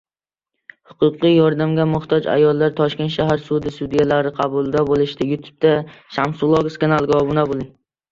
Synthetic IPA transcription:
hʊqʰʊqːɨjɒɾd̪amɡʲamʊht̪ʰɒd͡ʒa̰jɒlˠːaɾt̪ʰɒʃkʲe̞nt̪ʃaɦaɾsʊd̪ɪsud̪ijalaɾɪqʰɑbʊlˠd̪abolˠɪʃt̪ɪjʊt̪ʰu̥b̚t̪aʃamsʊlˠoɡskanalˠɡʲɒbʊnabolˠɪŋ

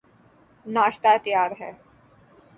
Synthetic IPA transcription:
naːʃt̪at̪jaːɾɦɛː

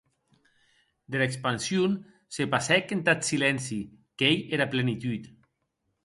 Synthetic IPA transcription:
d̪elekspansjun | sepasɛkent̪at̪silɛnsikejeɾaplenit̪ut̪

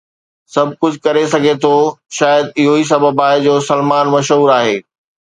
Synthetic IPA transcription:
sɐb̚ʱkʊd͡ʑʱkɐɾesɐɡʱet̪ʰoʃaːjəd̪ɪɦois̬ɐbəbaːɪd͡ʑoːsɐlmaːnmɐʃɦuːɾaːɦeː

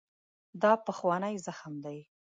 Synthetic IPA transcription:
d̪ɑpəxwɑnajzaxmd̪aj

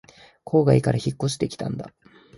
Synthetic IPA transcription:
kʰo̞ːɡaikaɾaçikːo̞ɕi̥t̪ekʲi̥t̪ʰã̰nd̪a̰

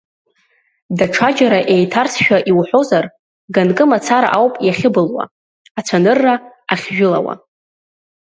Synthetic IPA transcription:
daʈ͡ʂʰad͡ʒaɾaʔe̞jtʰarsʰʃᶣaʔiwħʷo̞zar | ɡankʼɨmat͡sʰaɾa̰ʔawpʼjaχʲɪbɨlwa̰ | at͡sʷʰanɨrːa | aχʲʒᶣʊla̰wa̰

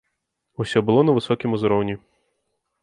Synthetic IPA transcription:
usʲɔbɨlˠɔnɐvɨsɔkʲimuzɾɔwnʲi

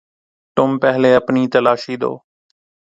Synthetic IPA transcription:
t̪ʊmpɛɦleːəpniːt̪əlaːʃiːd̪o̰ː

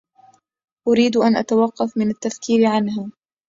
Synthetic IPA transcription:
ʔʊɾiːd̪ʔanʔa̰t̪awɑqːɑfmɪnat̪ːafkʰiːɾɪʕanɦaː

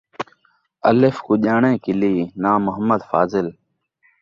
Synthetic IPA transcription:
ə̰lefkuʄaːɳẽːkɪliːnãːmʊɦəmːəd̪fa̰ːzɪl

